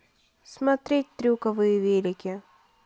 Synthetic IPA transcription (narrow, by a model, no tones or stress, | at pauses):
smɐt̪ɾʲet̚ʲt̪ɾʲukɐʋɨjɪvʲelʲɪkʲɪ